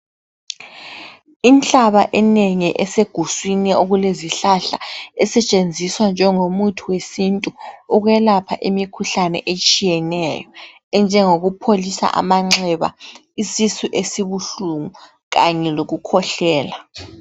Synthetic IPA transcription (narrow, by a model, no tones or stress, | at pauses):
int͡ɬʼaβaʔɛneŋiʔɛseɡ̥ʱuswinioɣuleziɬaɬa̰ɛsɛt͡ʃʼend͡zʱiswand͡ʒʱɛŋomutʰuwesintʼuuɣwɛlapʰaʔimikʰuɬanɛ̰ʔet͡ʃʼijɛnɛjɔ | ɛnd͡ʒʱɛŋoɣupʰolisa̰ʔa̰maŋ͡ǁʱɛβa̰ | isisuʔesiβuɬuŋu | ɣaɲɛloɣukʰɔɬɛːla